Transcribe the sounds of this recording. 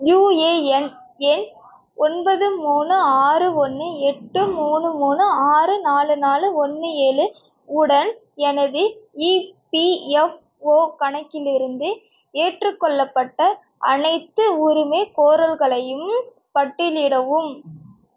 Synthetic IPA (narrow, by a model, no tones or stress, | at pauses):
juːeːɛnɛn | ɔnbɐðɯmuːnɯaːrɯɔnːɯɛʈːɯmuːnɯmuːnɯaːrɯnaːlɯnaːlɯɔnːɯeːlɯ | ʊɽɐn | ɛnɐðɯiːpiɛf | oːkɐɳɐkːɪlɪɾɯnd̪ɯ | eːʈrɯkːɔɭːɐpːɐʈːɐ | ʔɐ̰nɐɪt̪ːɯʊɾɯmeːkoːɾɐlɣɐɭɐjɯm | pɐʈːɪlɪɽɐʋɯm